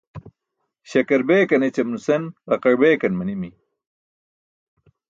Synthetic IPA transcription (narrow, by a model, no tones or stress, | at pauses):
ɕɐkɐɾbeːkɐnet͡ɕɐmnusenʁɐqɐɻbeːkɐnmɐnimi